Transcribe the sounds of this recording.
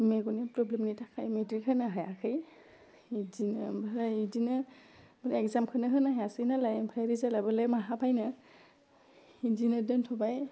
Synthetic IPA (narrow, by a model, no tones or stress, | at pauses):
meɡunepɾɔblemnitʰakʰajmetɾikʰɯnaɦajakʰɯj | idinɯbaɾaidinɯbɔɾɛkzamkʰɯnɯɦɯnaɦajasɯjnalajpʰɾajɾizalabɯlemaɦapʰajnɯ | izinɯdɯntʰɔbaj